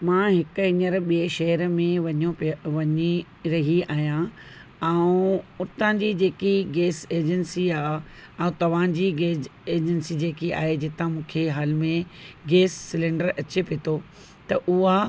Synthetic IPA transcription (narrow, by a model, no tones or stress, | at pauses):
mãːɦɪkɪɲəɾɓieʃɐɦəɾmẽʋɐɲopʋɐɲi | ɾɐɦiaːɦijã | ɛũʊt̪ãd͡ʑid͡ʑeːkiɡeːseːd͡ʑənsiaːɛ̃ũt̪ɐʋ̤ãd͡ʑiɡeːeːd͡ʑənsid͡ʑeːkia̰ːɦed͡ʑɪt̪ãmũːkʰeɦaːlɪmẽɡeːsːɪlẽːɳɖəɾɐt͡ɕepeːt̪ʰo | t̪ɐʔʊɦa